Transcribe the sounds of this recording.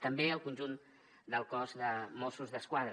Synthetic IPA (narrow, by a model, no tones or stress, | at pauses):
t̪əmbeəlˠkunʲʒun | d̪əlˠkɔzðəmɔsuzðəskwaðɾ